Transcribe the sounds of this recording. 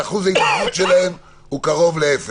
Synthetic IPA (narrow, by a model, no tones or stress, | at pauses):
aχuzajtaut̪ʃelae̞m | ukaʁo̞vleefe